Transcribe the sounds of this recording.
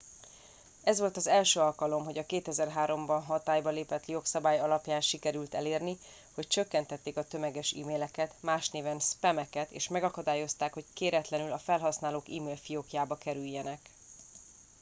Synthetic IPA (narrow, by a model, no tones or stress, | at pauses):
ɛzʋo̞lt̪ɒzɛlʃøːɒlkɒlo̞mɦo̞ɟɒkeːt̪ɛzɛrɦaːɾo̞mbɒnɦɒt̪aːjbɒleːpɛt̪jo̞ksɒbaːjɒlɒpjaːnʃikɛɾylt̪ɛleːrni | ho̞c̚t͡ʃø̞kːɛnt̪ɛt̪ːeːkɒt̪ø̞mɛɡɛʃḭːmeːlɛkɛt̪maːʃneːvɛnspɛmɛkɛt̪eːʃmɛɡɒkɒd̪aːjo̞st̪aːkho̞ckeːɾɛt̪lɛnylɒfɛlɦɒsnaːloːkḭːmeːlfijokjaːbɒkɛɾyjːɛnɛk